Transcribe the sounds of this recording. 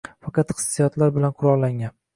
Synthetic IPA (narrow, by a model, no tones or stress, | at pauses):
fɑqʰɑt̪χɨ̥sːijɒt̪laɾbɪlanqʰʊɾɒʁˠlaŋan